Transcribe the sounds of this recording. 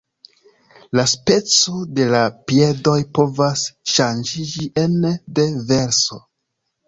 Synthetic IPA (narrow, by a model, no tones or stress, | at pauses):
laspe̞t͡so̞de̞lapie̞do̞jpo̞vasʃand͡ʒid͡ʒiʔende̞ve̞ɾso̞